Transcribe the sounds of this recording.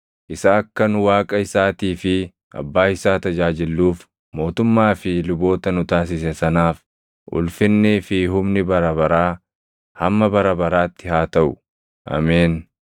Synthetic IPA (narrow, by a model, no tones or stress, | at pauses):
ʔɪsaːɐkːɐnʊwaːkʼɐɪsaːt̪iːfɪ | ʔɐ̰bːaːɪsaːt̪ɐd͡ʒaːd͡ʒɪlːuːf | mo̞ːt̪ʊmːaːfɪlʊbo̞ːt̪ɐnʊt̪aːs̬ɪsɛsɐnaːf | ʔʊ̰lfɪnːɛfɪɦʊmnɪbɐɾɐbɐɾaː | hɐmːɐbɐɾɐbɐɾaːt̪ːɪhaːt̪ɐʔʊ̥ | ʔɐ̰meːn